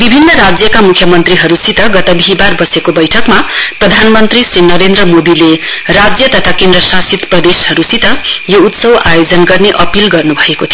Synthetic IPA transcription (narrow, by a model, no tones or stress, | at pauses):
bibʱinːʌɾad͡zjʌkamukʰjʌmʌnt̪riɦʌɾusit̪ʌɡʌt̪ʌbʱiɦibarbʌsekobʌjʈʰʌkmaprʌd̪ʱanmʌnt̪risrinʌɾend̪rʌmod̪ile | rad͡zjʌt̪ʌt̪ʰakend̪rʌsasit̪prʌd̪eshʌɾusit̪ʌjout̪sʌwajod͡zʌnɡʌrneʔʌpilɡʌrnubʱʌekot̪ʰi